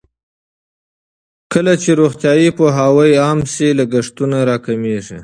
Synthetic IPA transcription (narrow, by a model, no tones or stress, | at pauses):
kəlat͡ʃeɾoxt̪jɑjipoɦawəjɑmsilaɡaʂt̪unaɾɑkameʐi